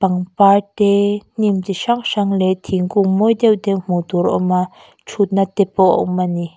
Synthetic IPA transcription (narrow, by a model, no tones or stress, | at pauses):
paŋpat̪ɛn̥imt̪iʃaŋʂaŋlɛt̪ʰiŋkʊŋmɔjd̪ɛwt̪ɛʔm̥ut̪uɾɔ̰ma | t͡ʃʰut̪̚nat̪ɛpɔwʔɔ̰wmani